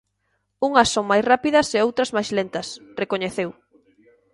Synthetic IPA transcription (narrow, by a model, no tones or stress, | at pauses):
uŋɐsːõŋmajsrapiðɐseowt̪ɾɐzmajzlent̪ɐsrekoɲeθew